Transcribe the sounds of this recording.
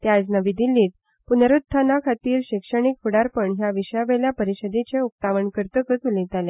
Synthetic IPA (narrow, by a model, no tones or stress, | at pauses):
t̪jad͡znəʋid̪ilːiːt̪̚ | punəɾut̪̚t̪ʰːanakʰat̪iːɾɕikʂəɳ̃ikfuɽaɾpəɳɦjaʋiɕjaʋeljapəɾiɕəd̪it͡ɕeup̚t̪aʋəɳkəɾt̪əkət̪ulĩt̪alẽ